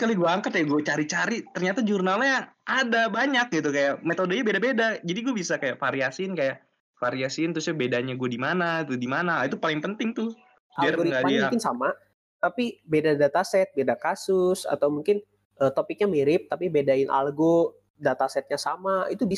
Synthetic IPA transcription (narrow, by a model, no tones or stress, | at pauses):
kaliɡuaːŋkat̪jaɡuat͡ʃaɾit͡ʃaɾit̪ərɲat̪ad͡ʒurnalɲaadabaɲak̚ɡit̪ukajaʔmet̪odoɲabedabedad͡ʒadiɡuabisakajaʔfaɾiasinkajaʔ | faɾiasint̪ɾʊsjabedaɲaɡuadimanat̪udimanait̪upalɪŋpənt̪ɪŋt̪ʊ | baiarɡoɾiŋɡaiakɪnsa̰ma | t̪apibedadat̪asɛt̪̚bedakasʊsa̰t̪awmuŋkɪn | ʔət̪opɪk̚ɲamiɾɪp̚t̪apibedaɪnʔa̰lɡo | dat̪asɛt̪̚ɲasamait̪ubi